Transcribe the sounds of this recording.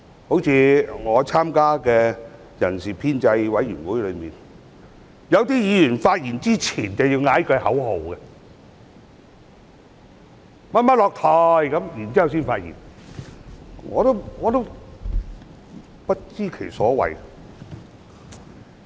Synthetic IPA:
ho˨˥wt͡sʰiː˨˧ŋɔː˨˧t͡sʰaː˥mkaː˥kɛː˧ | jɐ˨˩nsiː˨˩pʰiː˥nt͡sɐ˧jwɐ˨˥jyː˨˩nwuː˨˥jlɵ˨˧ɥmiː˨n | jɐ˨˧wt̪iː˥jiː˨˧jyː˨˩nfaː˧t̚jiː˨˩nt͡siː˥t͡sʰiː˨˩nt͡sɐ˨wjiː˧wŋaː˨˥jkɵ˧hɐ˨˥who˨wkɛ˧ | mɐ˥t̚mɐ˥t̚lɔː˨˧k̚t̪ʰɔː˨jkɐ˨˥mjiː˨˩nt͡siː˥jwsiː˥nfaː˧t̚jḭ˨˩n | ŋɔ̰ː˨˧t̪o˥wŋɔː˨˧t̪o˥w | pɐ˥t̚t͡siː˥kʰe˨˩jsɔː˨˥wɐ̰˨j

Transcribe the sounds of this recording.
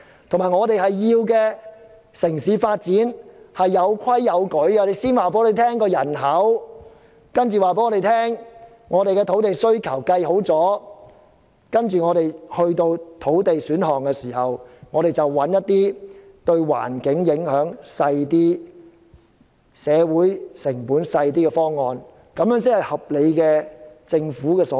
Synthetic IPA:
t̪ʰmaː˨˩jŋɔː˨˧t̪e˨jhɐ˨jːiː˧wkɛː˧ | sɪ˨˩ŋsiː˨˧faː˧t̚t͡siː˨˥nhɐ˨jːɐ˨˧wkʰɐ˥jːɐ˨˧wkɵ˨˥ɥkɛ˧ɔ˧e˨jsiː˥nwaː˨peː˧˦˥e˨˩t̪ʰɛː˥ŋkɔː˧jɐ˨˩nɦɐ˨˥w | kɐ˥nt͡ʃyː˨waː˨p̬e˨˦˥ŋɔː˧˥e˨˩jt̪ʰɛː˥ŋ | ŋɔː˨˧ɾe˨jkɛ˧t̪ʰo˨˥wt̪e˨jsɵ˥ɥkʰɐ˨˩wkɐ˧jho˨˥wt͡sɔː˨˥ | kɐ˥nt͡ʃyː˨ŋɔː˨˧ɾe˨˩jhɵ˧ɥt̪o˧wt̪ʰo˨˥wt̪e˨jsyː˨˥nhɔː˨˩ŋkɛ˧siː˨˩hɐ˨wŋɔː˨˧ɾe˨jt͡sɐ˨wːɐ˨˧˥njɐ˥t̚t̪iː˥ | t̪ɵ˧ɥwa̰ː˨˩nkɪ˨˥ŋjɪ˨˥ŋhœː˨˥ŋsɐ˧jt̪iː˥ | sɛː˨˧wuː˨˥jsɪ˨˩ŋpuː˨˥nsɐ˧jt̪̬iː˥kɛ˧fɔː˥ŋːɔː˨˧n | kɐ˨˧˥mjœː˨˥ŋs̬ɪ˥khɐ˨jhɐ˨p̚le˨˧jkɛː˧t͡sɪ˧ŋfuː˨˥kɛː˧sɔ˨˦

